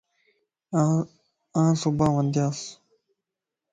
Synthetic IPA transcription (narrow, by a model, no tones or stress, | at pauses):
ãsubãːwʌ̃nd̪jaːs